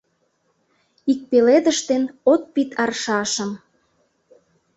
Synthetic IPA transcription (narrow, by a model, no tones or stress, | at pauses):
ik̚peled̪ə̆ʃt̪enot̪̚pit̪ɑrʃɑʃəm